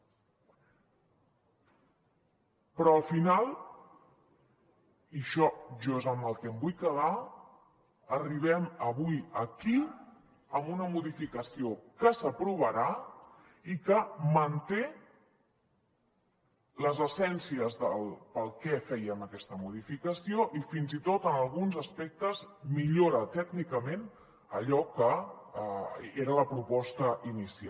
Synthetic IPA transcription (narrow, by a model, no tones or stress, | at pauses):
pɾɔəlˠfinalˠ | iʃɔʒɔezəməlˠkɛmbujkəða | əriβ̞ɛməβujəki | əmbunəmuðifikəsiokəsəpɾuβ̞əɾa | ikəmənt̪e | ləzəsɛnsiəzðəlˠpəlˠkɛfɛjəməkɛst̪əmuðifikəsioʔifinzit̪ot̪ənəlˠɣunzəspɛk̚t̪əzmiʎoɾət̪ɛɡnikəmen | əʎɔkə | eɾələpɾupɔst̪əʔinisia